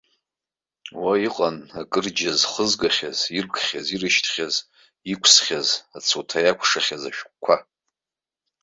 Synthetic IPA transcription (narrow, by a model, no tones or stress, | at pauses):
waiqʼanakʼɨrd͡ʒazχəzɡaχʲaz̥irkʰʼχʲazirɨʃtʰχʲaz | ikʷʰsχʲazat͡sʰutʰajakʷʰʂaχʲazaʃᶣk̚ʷʼkʷʰa